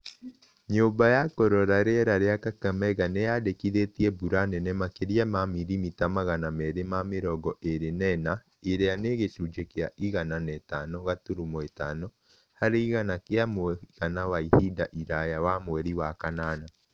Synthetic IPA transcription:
ɲoːmbajakɔɾɔɾaɾeɾaɾeakakamɛɣanejadekiðetiɛbuɾanɛnɛmakeɾiamamiɾimitamaɣanamɛɾemameɾɔɡɔʔeɾenɛna | eɾeaneɣesud͡ʒekeaʔiɣananɛtanɔɣatuɾumɔetanɔ | haɾeiɣanakeamoɛɣanawaihidaʔiɾajawamowɛɾiwakanaːna

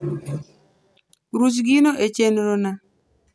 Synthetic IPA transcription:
ɾus̬ɡinoʔet͡ʃenɾona

